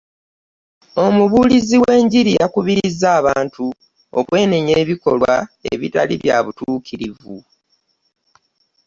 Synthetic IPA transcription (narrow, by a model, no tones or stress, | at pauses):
o̞muβuːliziwe̞ːɲɟiɾiakuβiɾizːaːβaːntu | o̰kwe̞ːneɲe̞ːβiko̞lwaḛβḭta̰liβjaβutuːkʰiɾivu